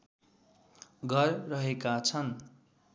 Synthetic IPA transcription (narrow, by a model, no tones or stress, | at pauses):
ɡʱʌrːʌɦekat͡sʰʌn